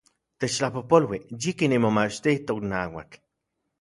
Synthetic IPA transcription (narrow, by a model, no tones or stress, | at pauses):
t̪et͡ʃlahpopolwijikinimomat͡ʃt̪iht̪oknawa̰k